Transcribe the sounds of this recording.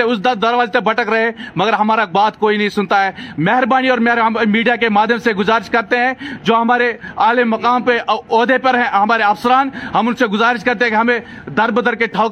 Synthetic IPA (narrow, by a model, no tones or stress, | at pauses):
eʊsd̪ɐd̪ɐɾʋaːd͡ʒt̪ebɐʈəkɾɐɦemɐɡəɾɦɐmaːɾabaːt̪koːinɐɦĩsʊnt̪aɦɛːmɛɦəɾbaːñiɔːɾmɛɦɾmiːɖijakemaːd̪ʱjəmseɡʊzaːɾɪʃkɐɾt̪eɦɛ̃d͡ʒoːɦɐmaːɾeaːlemɐkaːmpeɔːd̪ʱepɐɾɦɛ̃ɦɐmaːɾeɐfsəɾaːnɦɐmʊnseɡʊzaːɾɪʃkɐɾt̪̬eɦɛ̃kiɦɐmẽ | d̪ɐɾbəd̪ʱəɾkeʈʰaː